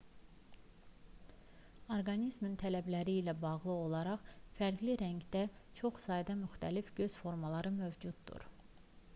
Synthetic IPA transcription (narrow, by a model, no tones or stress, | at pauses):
o̞ɾɡɑnizmint̪ʰælæblæɾiːlæbɑʁlˠɯo̞lˠɑɾɑχfæɾɡliɾæɲɡd̪æt͡ʃʰo̞χsɑːjd̪ɑmyxt̪ʰælifɟø̞z̥fo̞ɾmɑlˠɑɾɯmøvd͡ʒud̪ːṵɾ